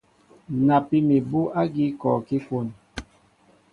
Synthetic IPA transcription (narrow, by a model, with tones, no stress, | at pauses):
na˨pi˦mi˨bu˦ʔa˦ɡi˦kɔː˨ki˦ko˦˨n